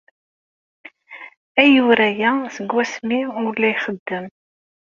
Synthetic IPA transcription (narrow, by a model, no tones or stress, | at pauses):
æjuɾæjæsəɡːwæsmiʊɾlːæjχəd̪ːəm